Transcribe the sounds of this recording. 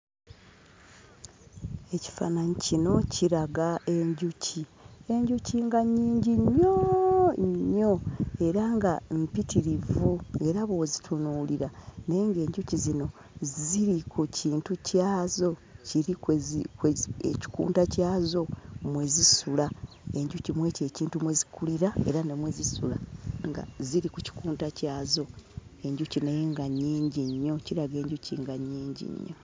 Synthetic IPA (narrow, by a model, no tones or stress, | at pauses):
e̞ci̥fa̰naɲicino̞cʰiɾaɡaʔe̞ɲɟucʰie̞ɲɟuciŋɡaɲiːɲɟiɲːo | ɲːo̞e̞ɾaŋɡampitiɾivue̞ɾaβo̞zitʰunuliɾane̞ŋɡe̞ːɲɟucizino̞ | ziɾikuciːntucaːzo̞ciɾikekeḛci̥kṵːntacaːzo̞mwe̞zisula | e̞ɲɟucimwe̞ːce̞ːciːntumwezikuliɾae̞̰ɾanemwe̞zisṵla̰ŋɡa̰ziɾikuci̥kuːntacaːzo̞e̞ɲɟucinajeŋɡaɲːiːɲɟiɲːo̞ciɾaɡe̞ːɲɟuciŋɡaɲːiːɲɟḭɲːo̰